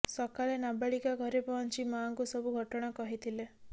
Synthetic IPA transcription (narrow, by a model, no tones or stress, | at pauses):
sɔkaɭenabaɭikaɡʱɔɾepɔɔnt͡ʃimaːŋkusɔbuɡʱɔʈɔɽ̃akɔɦit̪ʰile